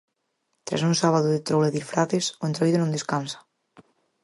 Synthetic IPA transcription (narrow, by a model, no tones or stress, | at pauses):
t̪ɾa̰suŋsaβaðʊðet̪ɾowleðiɾfɾaθesoent̪ɾaliðonõnd̪eskansḁ